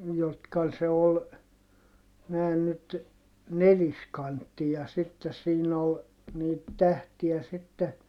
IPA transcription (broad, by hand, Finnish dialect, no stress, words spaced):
jotkɑ se ol næˑi̯n nyt neliskɑntːi jɑ sitːes siːn ol niːt tæhtiæ sitːe